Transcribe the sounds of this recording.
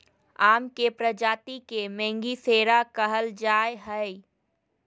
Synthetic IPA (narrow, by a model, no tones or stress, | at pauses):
aːmkepɾəd͡ʒaːt̪ikemɛ̃ːŋɡiseːɾakəɦəld͡ʒaːeɦəi